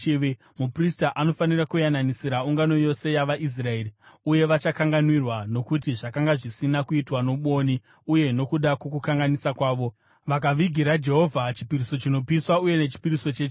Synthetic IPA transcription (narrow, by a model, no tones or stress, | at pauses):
ʋe | mupristaʔano̞fanirakujananisiɾauŋɡano̞jo̞se̞jaʋaʔis̬rae̞ːriuje̞ʋat͡ʃakaŋɡanwirwano̞kut̬iʐakaŋɡaʐisinakuitwano̞ɓo̞ni | uje̞no̞kuɗakwokukaŋɡanisakwaːʋo̞ | ʋakaʋiɡʱiɾad͡ʒe̞ɦo̞vʱat͡ʃi̥piɾiso̞t͡ʃino̞piswauje̞net͡ʃi̥piɾiso̞t͡ʃeːt͡ʃ